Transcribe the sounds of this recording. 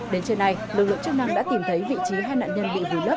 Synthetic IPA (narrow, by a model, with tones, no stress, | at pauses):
ɗe˨˦nt͡ɕe˧nːa˧jlɨ˨˩k̚lɨ̰˧˨əŋt͡ɕə˦˥k̚na˧ŋɗa̰ː˧˥t̪i˨˩mt̪ʰə˨˦jvḭ˧˨t͡ɕi˨˦ɦaː˧jna̰ː˧˨nɲə˧nɓḭ˧˨vu˧˩lə˦˥p̚